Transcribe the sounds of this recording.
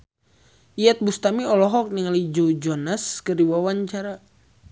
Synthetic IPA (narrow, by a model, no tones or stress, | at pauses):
ijat̪̚bust̪amiɔlɔɦɔk̚niŋalid͡ʒod͡ʒɔnaskərdiwawaɲt͡ʃaɾa